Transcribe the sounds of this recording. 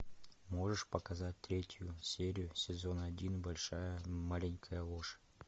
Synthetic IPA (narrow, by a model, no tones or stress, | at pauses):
moʐəʂpɐkazat̚ʲt̪ɾʲetʲjusʲeɾʲɪjʊsʲɪzo̞nɐdʲinbɐlʲʂajəmalʲɪnʲkʰəjəlˠoʂ